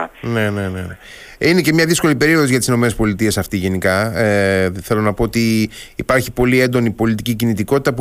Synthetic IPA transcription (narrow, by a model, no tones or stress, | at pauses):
ne̞ne̞ne̞ne | ine̞ce̞mɲɐðisko̞lipe̞ɾio̞ðosiʝɐt̪isino̞me̞nespo̞lit̪ie̞sɐft̪iʝe̞nikɐeθelo̞nɐpo̞ot̪iːpɐɾçipo̞lie̞nd̪o̞nipo̞lit̪icicinit̪iko̞t̪it̪ɐp